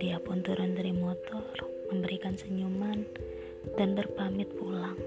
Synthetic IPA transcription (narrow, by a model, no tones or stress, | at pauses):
diapunt̪uɾant̪ɾimɔt̪ɔr | məmbəɾikansəɲuman | d̥anbərpamɪt̪̚pulaŋ